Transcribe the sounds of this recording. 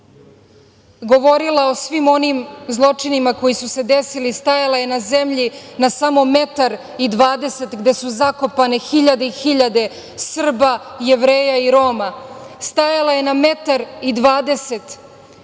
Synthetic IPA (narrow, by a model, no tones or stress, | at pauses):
ɡo̞ʋo̞ɾilao̞sʋimo̞nimzlˠo̞t͡ʂinimako̞jisuse̞d̪esilist̪ajalaje̞naze̞mʎinasamo̞me̞t̪aɾ | id̪ʋaːd̪e̞se̞t̪ɡd̪e̞suzako̞pane̞xiʎad̪e̞ixiʎad̪e̞ | sr̩bajeʋɾeːjaiɾo̞ːmast̪ajalaje̞name̞t̪aɾid̪ʋaːd̪e̞se̞t̪